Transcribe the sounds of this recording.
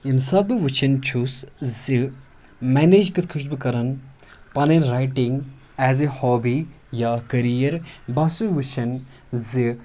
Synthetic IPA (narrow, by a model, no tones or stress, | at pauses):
imsaːbɨʋɨt͡ʃʰɐnt͡ʃʰuszi | mɛned͡ʒkɐt̪̚kʰɨʃbɨkɐɾɐn | pɐnenɾajʈĩŋɡ | ɛːzehɔːbi | jakɐɾijɐɾbɐsuʋɨt͡ʃʰɐn | zi